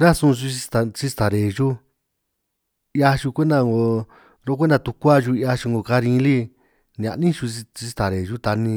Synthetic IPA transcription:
ɾa˦sũ˦˧ʒu˧i˧t̪a˨t͡ʃi˦˧st̪a˨ɾe˨ʒu˦ | ja˧ʃu˧kʷe˦nd̪a˧ŋɡo˧ | ɾo˦kʷe˦nda˧t̪u˧kʷa˦ʒu˧ja˧ʃu˧ŋɡo˧ka˧ɾĩ˧˦li˦ | n˨ã̰˨nĩ˦ʃu˧i˧t͡ʃi˧st̪a˨ɾe˨ʒu˦t̪a˧nĩ˧

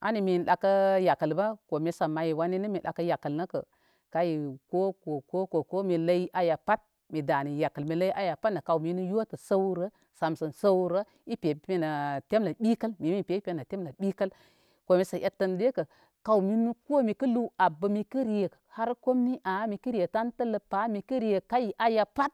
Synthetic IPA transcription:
a̰˦ni˨mi˨n˨ɗa˨kə˦ja˨kə˨lba˦ko˨me˨sa˨ma˨ji˨wa˦ni˦nə˦mi˨ɗa̰˨kə˦ja˨kə˨lnə˦kə̰˨ | ka˦ji˨ko˦ko˨ko˦ko˨ko˦mi˨la˦i˦ʔa˨ja˨pa˦t̚ | mi˨da˨ni˨ja˨kə˨lmi˨la˦i˦ʔa˦ja˨pa˦tna˨ka˨wmi˦nu˦jo˦tə˨sa˦wɾə˦ | sa˨msə˨nsa˦wɾə˦ | i˦pʲe˨pe˦na˨te˦mla˨ɓi˦kə˦lmi˨mi˦˨pʲe˨˦pʲe˦na˨te˦mla˨ɓi˦kə˦l | ko˨mi˨sa˨ʔe˨tːə˨nde˦kə˨ | ka˨wu˨mi˦nu˦ko˦mi˨kə˦lu˦a˨bə˨mi˨ki˦ɾi˨je˨kha˦ɾko˦mni˦ʔa˨˦mi˨ki˦ɾi˦je˨ta˦ntə˦lə˨pa˨˦mi˨ki˦ɾi˨je˨ka˦ji˨ʔa˨ja˨pa˦t̚

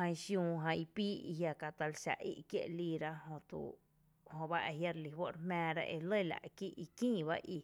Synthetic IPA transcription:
hã˧ʃjũː˧ɦã˧i˧piː˦ḭ˧ɦja˧ka˧t̪a˧lʃa̰˨ʔḭ˦ʔkjḛ˦ʔliː˧ɾa˦ʔhõ˧t̪ṵ˧˨ | hõ˧ba˦ʔe˧ɦja˦ɾli˧ɦwo˦ʔɾmɛ̃ː˧ɾa̰˦˧ʔe˧lə˦˨la̰˨ʔki˦ʔi˧kĩː˦ba̰˦ʔi˧

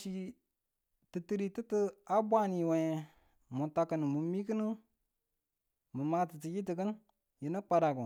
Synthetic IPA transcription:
i˨ | tɨ˨tɨ˨˦ɾi˨tɨ˦tə˦a˦bʷa˦n˨ji˨we˨ | mu˨ta˧kə˨n˨mu˨mi˦kə˦nə˦ | mɨ˨ma˦tɨ˨ti˨ji˦t̬i˨kə˦n | ji˨nə˦k͡pa˨ɾa˨ku˨

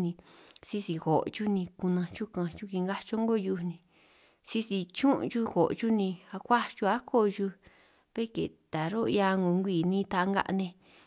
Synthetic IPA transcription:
nĩ˧si˧si˧ɣo˨ʔt͡ʃu˦nĩ˧ku˧nã˧t͡ʃu˦kã˧t͡ʃu˦ki˧ŋɡa˦t͡ʃo˦ŋ˦ɡo˦˧ju˧nĩ˧ | si˧si˧t͡ʃũ˦ʔt͡ʃu˦xo˨ʔt͡ʃu˦nĩ˧a˧kʷa˦t͡ʃu˧a˦kʰo˦˧ʒu˧ | βe˦kḛ˨t̪a˨ɾo˦˧ja˧ŋɡo˨˧ŋɡʷiː˧˨nĩ˦˧t̪a˧ŋɡa̰˧ʔnẽ˧

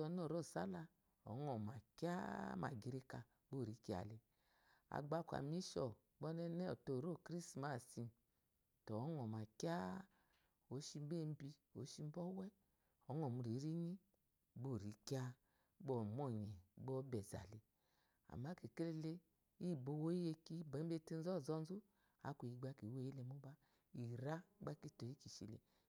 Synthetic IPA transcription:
tɔ˧˦no˦˨ɾo˦˨sa̰˦la˧ | ɔ̰˨˦ŋɔ˨ma˨ki˦a˦ma̰˨ɡi˨ɾe˧ka˧ | ɡ͡bo˦˨ɾi˨˦ki˦a̰˨le˧ | a̰˨ɡ͡ba˧˦˧kʷa̰˨mi˦ʃɔ˨ | ɡ͡bɔ˦nɛ˦nɛ˦ɔ˨to˨ɾo˦˨kɾi˦sma˨˦˨si˧ | tɔ˨˦ŋɔ˨ma˨ki˦a˦ | o˨˦ʃi˧m˦be˦˧m̩˦bi˧o˨˦ʃi˧m˦bɔ˦wɛ˦ | ɔ˨˦ŋɔ˨mu˨ɾi˨˦ɾi˦ɲi˦˨ | bo˦˨ɾi˨˦kja˦ | ɡ͡bo˦˨mɔ˦˨ɲɛ˨˦ɡ͡bo˦bɛ˨za̰˨le˨ | a̰˨ma˦ke˨ke˦le˧le˦ | i˦˨bo˧˨wo˦i˦je˧ki˦be˨˦e˧˦te˦n˦zɔ˦˨zɔ˦n˦zu˦ | a̰˨˦kʷu˨i˨˦ɡ͡ba˦ki˨we˦i˦le˧˨˦mu˦ba˦ | i˨ɾa˦ɡ͡ba˦ki˦˨to˨ji˦ki˨ʃḭ˨lḛ˨

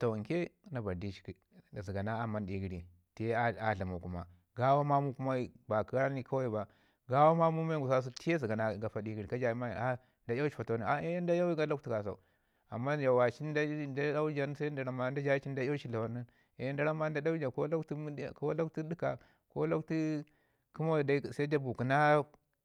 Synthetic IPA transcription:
to˨ŋke˦na˨ba˨di˦t͡ʃi̥˦k | zi˨ɡa˨na˦a˨ma˦ndi˦ɡi˦ɾi˨ | ti˦e˦a˦a˨ɬa˨ma˨ku˦ma̰˨ | ɡa˦wa˦ma˦mu˦ku˦ma˦i˦ba˨ki˦a˦ni˦ka˦wa˦i˦˨ba˨ | ɡa˦wa˦ma˦mu˦ma˦ɡu˨sa˦s̬u˦ti˦e˦zi˨ɡa˨na˦˨ɡa˨fa˨di˦ɡi˦ɾi˨ka˦d͡ʒa˨i˦ma̰˦˨a˦ | da˦ja˦t͡ʃi̥˦˨fa˨to˦ni˨a˦e˦jn˦da˦ja˦wi˦ɡa˦la˦kti˨ka˨s̬a̰˨u˨ | a̰˨mːa˦d͡ʒa˨wa˨t͡ʃi˦n˦da˦da˦da˦u˦d͡ʒa˨n˦sa˦da˨ɾa˨ma˦˨˦n˦da˦d͡ʒa˦t͡ʃi˦n˦da˦ja˦t͡ʃi˦˨la˨wa˨ni˦ | a˨jnda˦ɾa˦ma˦da˦da˦u˦d͡ʒa˨ko˦la˦kti˦m˦˨ko˦la˦kti˦di˦ka˨ | ko˦lo˦kti˦ | ku˦ma˦˨da˦˨sa˦da˦bu˨ku˨na˦

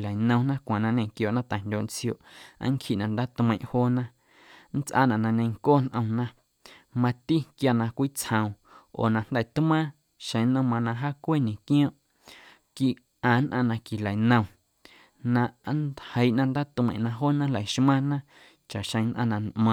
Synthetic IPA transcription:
la˨jnə̃˧w̃nã˦kʷã˨nã˧ɲə̃˧˨kjoː˧˨ʔnã˦t̪a˨n̥dʲoː˧ʔn˦t͡sjo˧˨ʔa̰˦ŋkʰi˧˦ʔnã˧˨nd̪aː˦t̪mə̃˧˨ʔhoː˦nã˦ | n̩˦t͡sʔa̰ː˦˨nã˨ʔnã˧ɲə̃˧jŋkoː˦n̥ʔə̃˧w̃nã˦ | mã˧t̪i˦kja˧nã˧kʷiː˦t͡shə̃˧w̃ | o̰ː˨nã˧n̥d̪ɛ˧˨t̪mãː˦ | ʃə̃˧jnə̃˦˧mã˧nã˧ɦaː˦kʷe˦˨ɲẽ˨kj̃ɔ̃ː˦ʔ | ki˧ʔ | ʔãː˨nʔã˧nã˧ki˨la˨nə̃˧w̃ | nã˧ʔnhə˧jʔnã˧nd̪aː˦t̪mə̰̃˧˨ʔnã˧ɦoː˦nã˦la˨ʃmã˦nã˦ | t͡ʃa˨ʔʃə̃˧j̃nʔã̰˧nã˧nʔmã˧

